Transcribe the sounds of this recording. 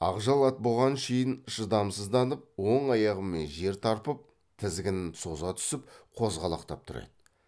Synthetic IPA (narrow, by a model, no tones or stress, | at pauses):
ɑʁʒɑlˠɑt̪̚bo̞lˠʁɑnʃejɪnʃəd̪ɑmsəzd̪ɑnəp̚wo̞ɴɑjɑʁəmːe̞nʒe̞ɾt̪ʰɑɾpəp̚ | t̪ʰɪzɡʲɪnɪnso̞zɑt̪ʰʏ̥sɪp̚qʰo̞zʁɑlˠɑ̰qt̪ɑp̚t̪ʰʊɾḛd̪ə